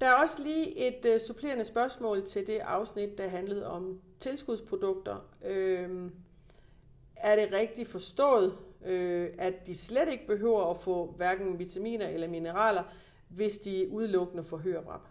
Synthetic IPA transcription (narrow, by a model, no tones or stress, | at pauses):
d̥ɑ̈æɐɒ̽səliːʔe̝d̥supʰle̝̰ɐnəsb̥ɶɐsmɔ̰̽ːlt͡sʰe̝ld̥e̝ʔɑ̈ʊsnid̥̚ːɑ̈ɦænləð̞̩ˠɒ̽mt͡sʰe̝lsɡ̥uðˠspʰʁo̝d̥ɔ̽ɡ̥̚d̥ɐø | æɐɾ̥e̝ʁɛɡ̥̚d̥ifɒ̽sd̥ɔ̰̽ːð̩ˠøæd̥isleɾe̝ɡ̥əb̥e̝ɦø̰ʊ̰ɐːfɔ̰̽ːʋæɐɡ̥n̩ʋit͡sʰæmḭːnɐʔelɐminəʁɑ̰̈ːlɐ | ʋe̝sd̥iuð̞ˠlɔ̽ɡ̥ənəfɒ̽ɦøɐb̥ʁɑ̰̈b̥